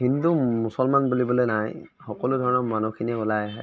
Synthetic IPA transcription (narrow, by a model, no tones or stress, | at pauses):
ɦindumusɔlmanbulibɔlenajxɔkɔlʊdʱɔɹɔnɔmanukʰiniɛʊlajaɦɛ